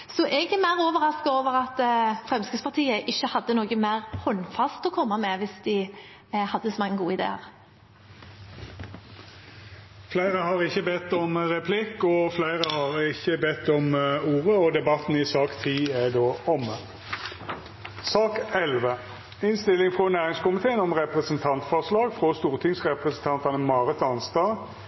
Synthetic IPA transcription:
sɔʔɛɡɛmæɪʁoːʋəʁɑskɑoːʋəʁɑt̪fʁɛmskɪspɑʁt̪ʰiːəʔɪçːəhɑd̪ːənoːɡəmæɪʁhɔnfɑst̪ɔkʰɔmːɑmɛʋɪsd̪̥ɪ | hɑd̪ːəsɔmɑŋːənɡuːəɪd̪ḛːɑ̰ʁ | flæɪʁəhɑʁɪçəbɛt̪ːɔmʁɛpʰlɪkːɔflæɪʁəhɑʁɪçəbɛt̪ːɔmuːʁəɔd̪ɛbɑt̪n̩ɪsɑːkt̪ʰiːæd̪oːɔm | sɑːkɛlʋə | ɪnst̪ɪlːɪŋfʁɔnæːʁɪŋskʊmɪt̪ʰeːənɔmʁɛpʁəsənt̪ʰɑnt̪fɔʁslɑːɡfʁɔst̪uːʁt̪ʰɪŋsʁɛpʁəsn̩t̪ʰɑnt̪ɑnəmɑːʁət̪ɑnst̪ɑː

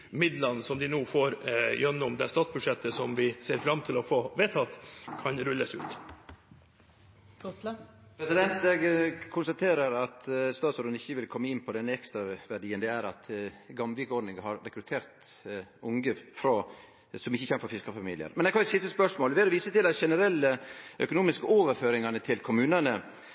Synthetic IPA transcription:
mɪd̪lɑnsɔmd̪ɪnoːfoːɾjœnːʊmd̪ɛst̪ɑːt̪sbʉʂɛt̪ːəsɔmʋɪseːɾfɾɑmt̪ʰɪlɔfoːʋeːt̪ʰɑt̪kʰɑnɾʉlːəsʉ̰ːt̪ | pʰɾɛsɪd̪ɛnt̪ɛɡkʰʊnst̪ɑt̪ʰeːɾəɾɑt̪st̪ɑːt̪sɾnɪçːəʋɪlkʰɔmːəɪnːpʰɔd̪ɛnːəɛkst̪ɾɑʋæɖiːənd̪ɛæɾɑt̪ɡɑmʋɪkɔɖɳɪŋɦɑɾːɛkɾʉt̪ʰeːɾt̪ʊŋɡəfɾɑ | sɔmɪçːəçɛnəfɔɾfɪskəfɑmḭːlɪə̰ɾmɛnɛɡkʰɑnʉsɪst̪əspœʂmoːləʋɪd̪ɔʋiːsət̪ɪlɑt̪ʃɛnəɾɛlːəʔœkʊnuːmɪskəoːʋəɾføːɾɪŋɑnət̪ʰɪlkʰʊmʉːnənə

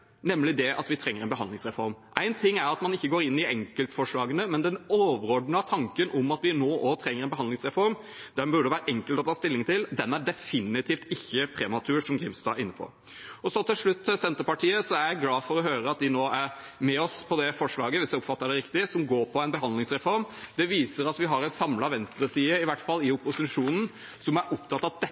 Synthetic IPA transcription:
nɛmːlɪd̪ɛʔɑ̰t̪ʋɪt̪ʰɾɛŋːəɾɛɪnbəɦɑnd̪lɪŋsɾɛfɔɾmʔæɪnt̪ʰɪŋːæɾɑt̪mɑnɪçːəɡoːɾɪnːɪɛŋkəlt̪fɔʂɭɑːɡənəmɛnd̪ɛnoːʋəɾɔɖnəɑt̪ʰɑŋkənʔʊmɑt̪ʋɪnoːʔɔt̪ʰɾɛŋːəɾɛɪnbəɦɑnd̪ɪŋsɾɛfɔɾm | d̪̥æmbʉɖəʋæːɾəʔɛŋkəlt̪ɔt̪ʰɑːst̪ɪlːɪŋt̪ʰɪld̪ɛnæɖɛfɪnɪt̪ʰiːft̪ɪçːəpʰɾɛmɑt̪ʰʉːʂɔmɡɾɪmst̪ɑ̰ɪnːəpʰɔ̰ | ɔsɔt̪ɪlʂɭʉt̪ːsɛnt̪əɾpɑʈʰiːəsɔæɾjæɪɡlɑːfɔɾɔɦøːɾəɑt̪̚d̪ɪnoːæɾmɛɔspʰɔd̪ɛfɔʂɭɑːɡəʋɪsjæɪʊpːfɑt̪ːəɖɛɾɪkt̪ɪsɔmɡoːɾpʰɔɛɪnbəɦɑnlɪŋsɾɛfɔɾmd̪̥ɛʋiːsəɾɑt̪ʋɪɦɑɾɛnsɑmlɑʋɛnst̪ɾəsiːəɪʋæʈfɑlːɪʊpʊsɪʂuːnn̩ | sɔmæɾʔʊpt̪ʰɑt̪ːɑt̪̚d̪ɛ

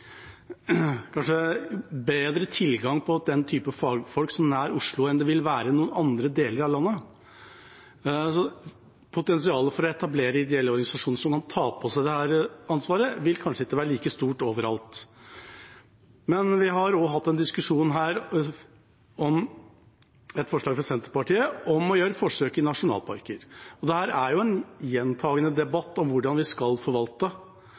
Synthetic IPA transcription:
kʰɑnʂəbeːd̪ɾət̪ʰɪlɡɑŋpʰɔd̪ɛnt̪ʰyːpəfɑːɡfɔlksɔmnæːɾʊʂɭʊɛnd̪ɛʋɪlʋæːɾənuːənɑnd̪ɾəd̪eːləɾɑʋlɑnːə | sɔ | pʰʊt̪ɛnsɪɑːləfɔɾɔɛt̪ɑbleːɾəɪd̪ɛɛlːəɔɾɡɑnɪsɑʂuːnəʂɔmkʰɑnt̪ʰɑːpʰɔsæɪd̪ɛhæːɾɑnsʋɑːɾəʋɪlkʰɑnʂəɪkːəʋæːɾəɭiːkəst̪uːʈoːʋəɾɑ̰lt̪ | mɛnʋɪɦɑɾɔɦɑt̪ːɛnd̪ɪskʉʂuːnɦæːɾ | ɔm | ɛt̪fɔʂlɭɑːɡfɾɑsɛnt̪əɾpɑʈiːəɔmɔjøːɾəfɔʂøːkɪnɑʂʊnɑ̰ːlpʰɑ̰ɾkəɾɔd̪ɛhæːɾæɾjʊɛnjɛnt̪ʰɑːɡənəd̪ɛbɑt̪ːɔmʋʊɖɑnʋɪskɑlfɔɾʋɑlt̪ə

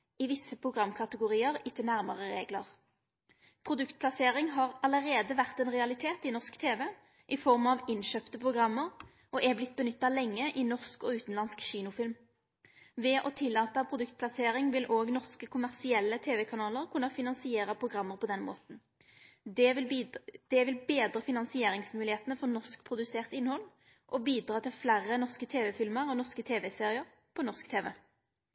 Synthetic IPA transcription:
ɪʋɪsːəpʰʁʊɡʁɑmːkʰɑt̪əɡʊʁiːəʁɪt̪ʰənæʁməʁəʁeːɡləʁ | pʰʁʊd̪ʉkt̪̚pʰlɑseːʁɪŋɦɑʁɑləʁeːd̪əʋæʁt̪ɛnʁɛɑlɪt̪ʰeːt̪ɪnɔʁskt̪ʰeːʋɛ | ʔɪfɔʁmɑʋɪnʃøːpt̪əpʰʁʊɡʁɑmːəʁ | ʔɔʔɛblɪt̪̚ːbənʏt̪ːɑlɛŋːəʔɪnɔʁskɔʉːt̪n̩lɑnskɕiːnʊfɪlm | ʋɛʔɔt̪ʰɪlːɑːt̪əpʰʁʊd̪ʉkt̪̚pʰlɑseːʁɪŋʋɪlʔoːɡnɔʁskəkʰʊmæʁsɪɛlːət̪ʰeːʋɛkʰɑnɑːləʁkʰʉnɑfɪnɑnsɪeːʁəpʰʁʊɡʁɑmːəʁpʰɔd̪ɛnmo̰ːt̪n̩ | d̪ | d̪̥ɛʋɪlbeːd̪ʁəfɪnɑnsɪeːʁɪŋsmʉːlɪheːt̪nəfɔʁnɔʁskpʰʁʊd̪ʉseːʁt̪ɪnhɔlː | ʔɔbiːd̪ʁɑːt̪ʰɪlflæʁːənɔʁskət̪ʰeːʋɛfɪlməʁɔnɔʁskət̪ʰeːʋɛseːʁɪəʁ | pʰɔnɔʁskt̪ʰeːʋɛ

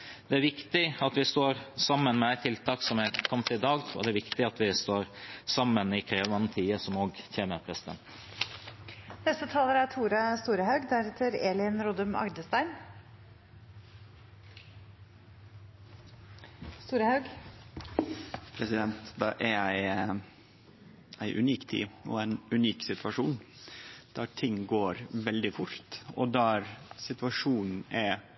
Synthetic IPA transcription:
d̪̥ɛæɾʋɪkt̪ɪɑt̪ʋɪst̪oːɾsɑmːənmɛæɪt̪ʰːɪlt̪ʰɑːksɔmækʰɔmt̪ɪd̪ɑːɡɔ̰d̪ɛæɾʋɪkt̪ɪɑt̪ʰʋɪst̪oːɾsɑmːənɪkʰɾeːʋɑnt̪ʰiːəsɔmoːɡçeːməɾpʰɾɛsɪd̪ɛ̰nt̪ | nɛst̪ət̪ʰɑːləɾæʈʰuːɾɑst̪uːɾəhɑʉɡd̪æɾɛt̪ʰəɾḛːlənɾɔd̪əmɑ̰ɡd̪əst̪æɪn | st̪uːɾəhɑʉɡ | pʰɾɛsɪd̪ɛnt̪d̪ɑ̰ːʔæɾæɪ | æɪʔʉ̰niːkt̪ʰḭːɔ̰æɪnʉniːksɪt̪ʋɑʂuːn | d̪̥æɾʈ̪ʰɪŋːɡoːɾʋɛld̪ɪfʊɾt̪ɔd̪æɾsɪt̪ʋɑʂuːnæ

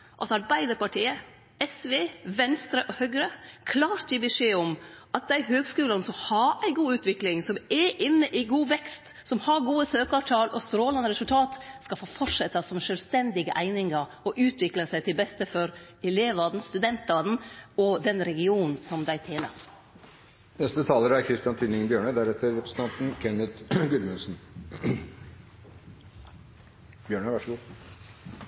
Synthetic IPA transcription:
ʔɑsɑɾbæɪd̪əɾpɑʈʰiːə | ɛsʋeːʋɛnst̪ɾəʔɔhœɡɾəkʰlɑːɾt̪jiːbɛʂeːɔmʔɑt̪̚d̪æɪɦøːɡskʉːlɑnəsɔmhɑɾæɪɡuːʉːt̪ʋɪklɪŋsɔmɛʔɪnːəʔɪɡuːʋɛkst̪sɔmhɑɾɡuːəsøːkɑʋʈ̪ʰɑːlɔst̪ɾoːlɑnəɾɛsʉlt̪ʰɑːt̪skɑfoːfɔʈʂɛt̪ːɑsɔmʃœlst̪ɛnd̪ɪɡəʔæɪnɪŋɑɾ | ɔʔʉːt̪ʰʋɪkləsæɪt̪ʰɪlbɛst̪əfɔɾ | ɛleːʋɑd̪n̩st̪ʉd̪ɛnt̪ɑd̪n̩ɔd̪ɛnɾɛɡɪuːnn̩sɔmd̪æɪt̪ʰeːlɑ̰ | nɛst̪ət̪ʰɑːləɾæɾkʰɾɪst̪ɪɑnt̪ʰyːnɪŋbjøːɳəd̪æɾɛt̪ʰːəɾɾɛpɾəsn̩t̪ʰɑnt̪n̩kʰɛnət̪ɡʉlmʉnsn̩ | b̥jøːɳəʋɑʂɡuː

